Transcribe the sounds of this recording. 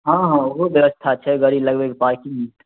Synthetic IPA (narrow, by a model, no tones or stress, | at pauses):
ɦãɦãoɦobjəʋəst̪ʰat͡ʃʰɛɡəɾiləɡʋeɡpaːɾkĩmit̪